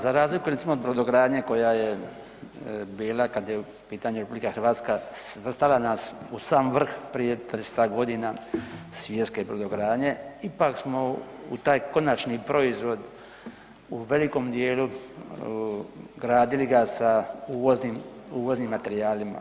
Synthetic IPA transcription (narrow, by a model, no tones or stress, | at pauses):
zaɾaːzlikuɾet̪simoːd̪bɾod̪oɡɾaːd̪ɲeko̞jaje | biːlˠakad̪je | piːt̪aɲeɾepublikaxr̩ʋaːt̪skasʋr̩st̪alanaːsusaːmʋr̩xpɾijed̪ad̪eset̪aɡo̞d̪inasʋje̞t̪skebɾod̪oɡɾaːɲeipaksmo̞ | ṵt̪aːjko̞nat͡ʃnipɾo̞izʋo̞d̪ | uʋe̞liko̞md̪jeːlu | ɡɾaːd̪iliɡasauːʋozniːmuːʋo̞zniːmːat̪e̞ɾijaːlima̰